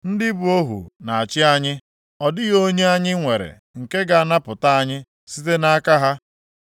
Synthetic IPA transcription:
n̩˦dɪ˦bʊ˨o˦ɦṵ˨na˨a˨t͡ʃɪ˦a˦ɲɪ˦ | ɔ˨dɪ˦ɣo˦ɲe˦a˦ɲɪ˦ŋʷe˨ɾḛ˨ | ŋ̩˨ke˦ɡa˨a˦˨na˦pʊ˨ta˦a˦ɲɪ˦ | si˦te˦na˦a˦ka˦ɦa˦

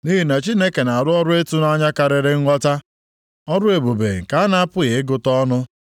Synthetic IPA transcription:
ni˦ɦi˨na˨t͡ʃi˦ne˦ke˨na˨a˨ɾʊ˦ɔ˦ɾʊ˦e˦tu˦na˦ɲa˦ka˨ɾɪ˨ɾɪ˦ŋ̩ʷ˦ɔ˦ta˦ | ɔ˦ɾʊ˦e˨bo˨bḛ˨ŋ̩˨ka˨a˦na˦a˦pʊ˦ɣe˨ɪ˦ɡʊ˦tɔ˦nʊ˦

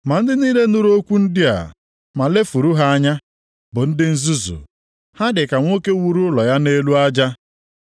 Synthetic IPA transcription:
ma˨n̩˦dɪ˦niː˦le˦nʊ˦ɾo˦kʷu˦n̩˦dɪ˦a̰˨ | ma˨le˦fu˨ɾu˦ɦa˦a˦ɲa˦ | bʊ˨n̩˦dɪ˦n̩˦zu˦zṵ˨ | ha˦dɪ˨ka˨ŋʷo˦ke˦wu˦ɾu˦lɔ˨ja˦ne˦lu˦a˦d͡ʒa˦

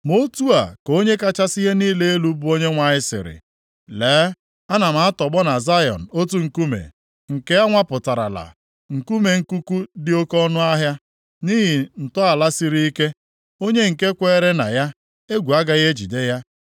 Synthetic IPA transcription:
mo˦tu˦a˨ko˦ɲe˦ka˦t͡ʃa˦si˦ɦe˦niː˦le˦e˦lu˦bʊ˦o˦ɲe˦ŋʷa˨ɲɪ˦sɪ̰˨ɾɪ̰˨ | leː˨˦ | a˦na˨m̩˦˨˦a˦tɔ˨ɡ͡bɔ˦na˨za˦jɔ̰˨n̩˨o˦t̬u˦ŋ̩˨ku˦mḛ˨ | ŋ̩˨ke˦a˦ŋʷa˦pʊ˨ta˨ɾa̰˨la̰˨ | ŋ̩˨ku˦me˨ŋ̩˨ku˦ku˦dɪ˦o˦kɔ˦nʊ˦a˦ɦja˦ | niː˦ɦi˨n̩˨tɔ˦a˨la˦si˨ɾi˦i˦ke˦ | o˦ɲe˦ŋ̩˨ke˦kʷeː˦˨˦ɾe˦na̰˨ja˦ | e˦ɡʷu˨a˦ɡa˦ɣe˦d͡ʒḭ˨de˦ja˦

